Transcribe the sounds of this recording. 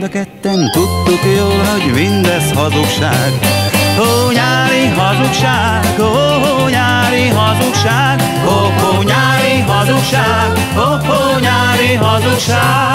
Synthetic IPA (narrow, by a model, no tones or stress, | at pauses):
d̪ɒkɛt̪ːɛnt̪ut̪ːukjoːlɦoɟmind̪ɛshɒzukʃaːɡ | hoɲaːɾiɦɒzukʃaː | ɡ | o | ɦo | ɲaːɾiɦɒzukʃaːɡ | ko | koɲaːɾiɦɒzukʃaːɡ | o | ko | ɲaːɾiɦɒzukʃaːɡ